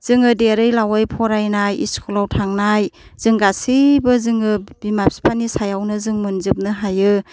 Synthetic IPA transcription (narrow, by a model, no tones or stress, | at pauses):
z̥ɯŋɯdeɾɯjlawajpʰɔɾajnajḭskʰɔlawtʰaŋnajz̥ɯŋɡasibɯzɯŋɯbimap̚si̥pʰanisajawnɯzɯŋmɯnzɯp̚nɯɦajɯ